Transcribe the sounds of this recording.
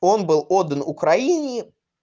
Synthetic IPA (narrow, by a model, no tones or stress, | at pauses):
o̞nbɨlˠod̪ːənʊkɾɐinʲɪː